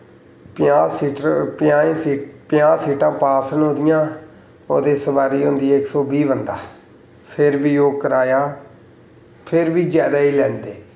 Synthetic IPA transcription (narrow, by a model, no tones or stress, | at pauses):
pjãːsiːʈpɪjaːẽːsiːpɪjãːsiːʈãːpaːsənõːd̪ɪjãː | o̰ːd̪eːsəbaːɾiːɦõnd̪iːaːɪksɔːbiːbənd̪aː | pʰɪɾbiːoːkəɾaːjaː | pʰɪɾbiːd͡ʒjaːd̪aːiːlɛ̃ːnd̪eː